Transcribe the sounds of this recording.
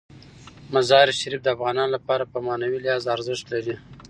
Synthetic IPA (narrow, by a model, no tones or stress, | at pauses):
mazɑɾʃaɾifd̪əafɣɑnɑnlapɑɾapəmɑnawilɪjɑzaɾzɪʃt̪laɾi